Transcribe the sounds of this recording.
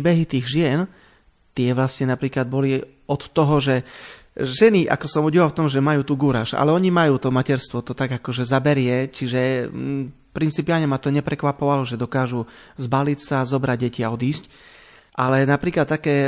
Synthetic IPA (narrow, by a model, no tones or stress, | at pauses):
bɛɦit̪iːɣʒɪɛn | t̪ɪɛʋlasɲɛnapɾiːklad̪̚bɔli | ɔt̪ːɔɦɔʒɛ | ʒɛniʔa̰kɔsɔmuɟiʋalft̪ɔmʒɛmajuːt̪uːɡuɾaːʃa̰lɛɔɲimajuːt̪ɔmacɛɾst̪ʋɔt̪ɔt̪aɡakɔʒɛzabɛɾɪɛt͡ʃiʒɛ | pɾint͡sipialɲɛmat̪ɔɲɛpɾɛkʋapɔʋalɔʒɛd̪ɔkaːʒuzbalicsazɔbɾaɟ̚ɟɛciaɔd̪iːsc | ʔalɛnapɾiːklat̪ːakɛː